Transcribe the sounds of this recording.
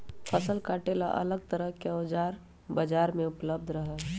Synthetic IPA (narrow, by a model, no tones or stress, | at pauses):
pʰəsəlkaːʈela̰ʔɐ̰ləɡ̚t̪əɾəɦkeoːd͡ʒaːɾ | bəd͡ʒaːɾmẽʊpləb̚d̪ʱɾɐɦɛ